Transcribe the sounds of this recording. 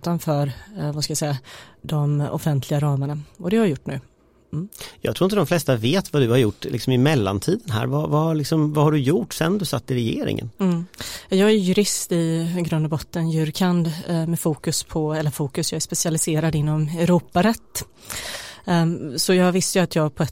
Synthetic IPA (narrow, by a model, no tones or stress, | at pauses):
t̪anfœːɾvaskajasɛjːad̪ɔmɔ̰fɛnt̪ʰlɪɡaɾɑːməɳaɔd̪ɛhaɾjajʊʈːnʉ̟ː | jɑ̰ːɡt̪ʰɾuːɪnt̪əd̪ɔmflɛst̪aveːt̪vad̪ɵhaɾjʊʈːlɪ̰ksɔmɪmɛlːa̰nt̪ʰiːd̪ənɦæ̰ːɾvavaɭɪksɔmvahaɖɵjuʈːsɛ̰nd̪ɵsat̪ːɪɾɛjḛːɾɪ̰ŋə̰nm̩jɑjɑːɡæɾjɵɾɪst̪ɪɡɾɵnd̪ɔbɔt̪ːənjʉ̟ɾkʰand̪mɛfuːkɵspʰɔɛlːəɾfuːkɵsjɑːɡæʂpɛsɪalɪseːɾad̪ɪnːɔmɛɾuːpaɾɛt̪ː | sɔjɑːɡvɪst̪əjɵat̪ʰjɑːɡpʰɔɛ